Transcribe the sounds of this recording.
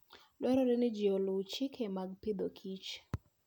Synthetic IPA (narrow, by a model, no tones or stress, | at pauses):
lwɛɾɔɾɛnɪd͡ʒiolut͡ʃɪkʰemaɡ̚pɪd̪okʰit͡ʃ